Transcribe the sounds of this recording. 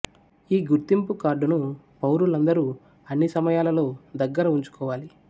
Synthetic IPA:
iːɡuɾt̪impukaːɾɖunu | pɐwɾulɐnd̪ɐɾuː | ɐnːisɐmɐjaːlɐlo̞ːd̪ɐɡːɐɾɐuɲt͡ʃu̥kɔːʋaːli

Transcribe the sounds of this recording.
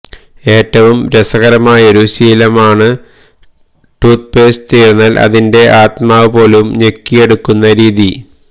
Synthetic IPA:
e̞ːʈːɐʋumɾesɐɣɐɾɐmaːjo̞ɾusiːlɐmaːɳɨ | ʈuːt̪̚peːst̪iːɾunːaːlʔɐ̰ðinde̞ʔaːt̪maːʋɨpo̞ːlumɲe̞kːije̞ɽukːunːɐɾiːði

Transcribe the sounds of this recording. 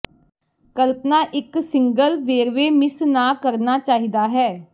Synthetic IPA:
kəlpnaːʔɪksɪŋɡəlʋeːɾʋeːmɪsnaːkəɾnaːt͡ʃaːɦiːd̪aːɦɛː

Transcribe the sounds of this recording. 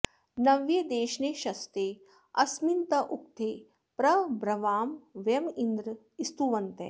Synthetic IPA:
nɐʋjɐd̪eːʃneːʃɐst̪eː | ɐsmint̪ɐʔuk̚t̪ʰeː | pɾɐbɾɐʋaːmʋjɐmind̪ɾ | ist̪uʋɐnt̪ḛː

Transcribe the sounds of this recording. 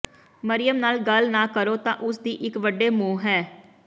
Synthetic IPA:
məɾɪjəmnaːlɡəlnãːkəɾoːt̪ãːʔʊsd̪iːʔɪkʋəɖeːmũːɦɛː

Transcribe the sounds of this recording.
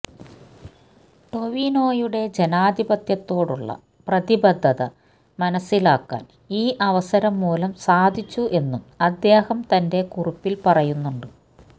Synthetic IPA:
ʈo̞ʋino̞ːjuɽe̞d͡ʑenaːd̪ʱibɐt̪jɐt̪ːo̞ːɽuɭːɐ̰ | prɐðibɐd̪ʱːɐðɐ̰ | mɐnɐsːilaːkːa̰ːn | iːʔɐʋɐsɐɾɐmːuːlɐmsaːd̪ʱit͡ɕːuʔe̞nːumɐd̪ːe̞ːhɐmt̪ɐnde̞kuripːilpɐrɐjunːuɳɖɨ

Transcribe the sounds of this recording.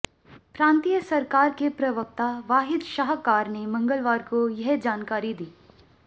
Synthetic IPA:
pɾãːnt̪iːjəsɐɾkaːɾkepɾɐʋək̚t̪aʋaːɦɪd̪ʃaɦkaːɾnemɐ̃ŋɡəlʋaːɾkojɐɦd͡ʒaːnkaːɾid̪iː

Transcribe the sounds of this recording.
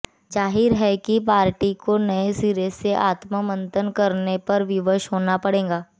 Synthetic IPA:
d͡ʒaːɦɪɾɦɛkipaːɾʈikonɐesiɾeseʔaːt̪məmə̃nt̪ənkɐɾnepɐɾʋɪʋəʃɦoːnapɐɽẽːŋɡaː

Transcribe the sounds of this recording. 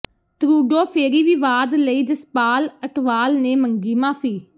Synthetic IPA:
t̪ɾuːɖoːpʰeːɾiːʋiːʋaːd̪ləiːd͡ʒəspaːləʈʋaːlneːməŋɡiːmaːpʰiː

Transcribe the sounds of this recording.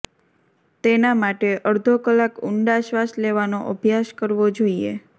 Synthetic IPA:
t̪enamaʈeʔəɾd̪ʱokəlakuɳɖaʃʋasleʋanoʔəbʱjaʃkəɾʋod͡ʒoiḛ

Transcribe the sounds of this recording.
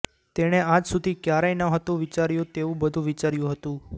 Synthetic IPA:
t̪eɽ̃eãd͡ʒsud̪ʱikjaɾajnəɦət̪ũʋit͡ʃaɾjũt̪eũbəd̪ʱũʋit͡ʃaɾjũɦət̪ũ

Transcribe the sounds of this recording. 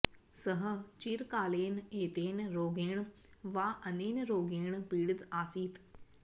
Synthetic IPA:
səɦət͡ʃiɾkaːleːneːt̪eːnɾoːɡeːɳ̃ | ʋaːʔɐneːnɾoːɡeːɳpiːɽɪt̪aːsiːt̪

